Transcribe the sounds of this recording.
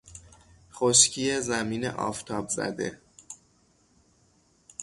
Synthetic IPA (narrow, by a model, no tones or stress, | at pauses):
χoʃcʰiːjezæmiːnḛʔɒ̰ːft̪ʰɒːbzæ̰d̪e̞̰